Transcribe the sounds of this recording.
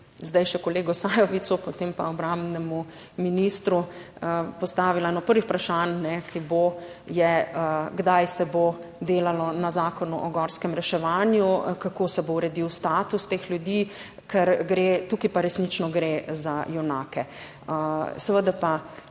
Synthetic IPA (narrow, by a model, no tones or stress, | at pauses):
zd̪ajʃɛkɔleːɡɔsaːjɔʋit̪supɔt̪empaɔbɾambnɛmu | minist̪ɾu | pɔst̪aːʋilaɛnɔpəɾʋixpɾaʃannɛkʰibo | jɛəɡd̪ajsɛbod̪eːlalɔnazaːkɔnuʔɔɡɔɾskɛmɾɛʃɛʋaːnjukakoːsɛbowɾɛd̪iwst̪aːt̪ust̪eːxljud̪iː | kɛɾɡɾet̪ukipaɾɛsnit͡ʃnɔɡɾezajɛwnaːkɛ | sɛʋəd̪apa